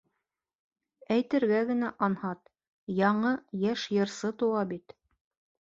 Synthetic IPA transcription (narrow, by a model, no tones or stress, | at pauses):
æjt̪ɘ̆ɾɡæɡɘ̆næʔɑnhɑt̪ | jɑɴɤjæʃjɤ̆ɾsɤt̪ŭwɑbit̪